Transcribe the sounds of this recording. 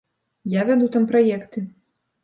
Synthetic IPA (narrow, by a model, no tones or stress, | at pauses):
javʲad̪ut̪ampɾajɛkt̪ɨ